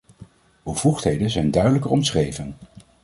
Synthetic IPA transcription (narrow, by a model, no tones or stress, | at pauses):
b̥əv̥uχtɦejdənzɛjndœɥdələkərɔmsχrejvən